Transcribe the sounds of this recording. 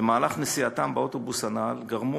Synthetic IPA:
emaːlaχnesiat̪ambeo̞t̪o̞bushanalɡaʁmu

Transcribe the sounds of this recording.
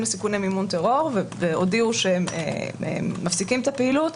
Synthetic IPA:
mlesikunemimunteʁo̞ʁveveodiuʃeemeḛːafsikimet̪apehilut

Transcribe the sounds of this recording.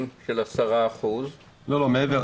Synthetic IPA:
mʃelasaʁaːχuz | lolomeeveʁ

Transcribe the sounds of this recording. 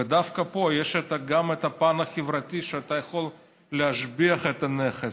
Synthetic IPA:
ved̪afkɐpojeʃɛt̪ɐɡamɛt̪ɐpanɐxʲɪvɾɐtʲiʃeat̪ajɐxol | leaʃbiɐχɛt̪ɐneχe

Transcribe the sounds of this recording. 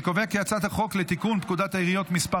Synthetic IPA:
koveakeat͡sat̪haχo̞klet̪ikunp̚kud̪at̪aiʁijo̞t̪mispa

